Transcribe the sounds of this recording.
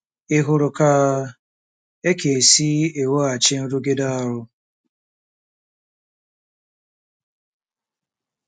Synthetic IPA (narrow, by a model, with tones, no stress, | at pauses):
ɪ˦ɦʊ˦ɾʊ˨kaː˦ | e˦ke˨si˦e˨wo˦a˨t͡ʃɪ˦n̩˦ɾu˦ɡe˦da˦a˨ɾʊ˦